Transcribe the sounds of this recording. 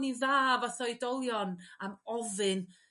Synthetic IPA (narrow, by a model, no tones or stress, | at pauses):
niðaːvaθɔɨdɔlˠjɔnamɔvɨn